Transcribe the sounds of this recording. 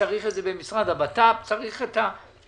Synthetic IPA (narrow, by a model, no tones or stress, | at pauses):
aʁiχedzebemisʁad̪abat̪apt͡saʁiχet̪a